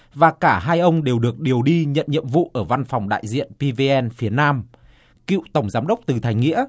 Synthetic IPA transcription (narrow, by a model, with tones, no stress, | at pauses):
vaː˨˩kaː˧˩ɦaː˧jʔə˧wŋ͡mɗe˨˩wɗɨ˨˩ək̚ɗi˨˩əwɗi˧ɲə̰˧˨nɲḭ˧˨əmvṵ˧˨ʔəː˧˩va˧nfɔ˨˩wŋ͡mɗa̰ː˧˨jzḭ˧˨ənpi˧vi˧ʔɛ˧nfi˨˦ənaː˧m | kḭ˧˨wt̪ə˧˩wŋ͡mzaː˨˦mɗə˦˥wk͡p̚t̪ɨ˨˩t̪ʰa˨˩jŋ̟ŋḭ˧˥ə